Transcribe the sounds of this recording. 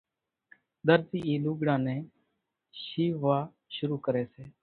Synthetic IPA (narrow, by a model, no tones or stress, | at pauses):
d̪əɾtiːiːluːɡɽãːnɛ̃ː | ʃiːʋaː | ʃʊɾuːkəɾeːseː